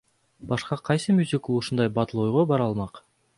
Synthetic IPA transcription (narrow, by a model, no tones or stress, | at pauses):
bɑʃqɑqʰɑjsɨmʲyzʲik̪ˠuʃund̪ɑjbɑt̪ɯlˠojʁobɑɾɑlˠmɑq